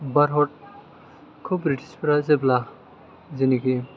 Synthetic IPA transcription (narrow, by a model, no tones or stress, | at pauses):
baɾɦɔʈ̚ | kʰubɾiʈi̥spɾazebla | ziniki